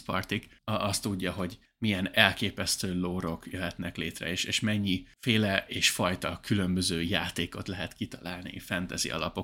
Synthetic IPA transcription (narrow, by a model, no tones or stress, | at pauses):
pɒ̰rt̪ikɒst̪ːuɟːɒɦo̞ɟ | mijɛnɛlkeːpɛst̪øːloːɾo̞kjøɦɛt̪nɛkleːt̪rɛ̰eːʃeːʃmɛɲːifeːlɛʔeːʃfɒjt̪ɒkylø̞mbøzøːjaːt̪eːko̞t̪lɛɦɛt̪kit̪ɒ̥laːlnḭfɛnt̪ɛzḭɒ̰lɒ̰po̞